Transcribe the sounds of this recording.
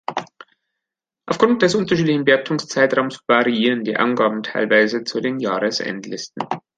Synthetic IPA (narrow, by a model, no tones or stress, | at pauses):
ʔaʊfɡ̥ʁʊnt̚d̥ɛsʔʊntɐʃiːtlɪçn̩bəap̚tʰʊŋst͡saɪtʁ̥aʊmsv̥aʁiiːʁəndiːʔa̰nɡaːbm̩tʰaɪlvaɪzət͡sudeːnjaːʁəsʔɛ̰ntlɪstn̩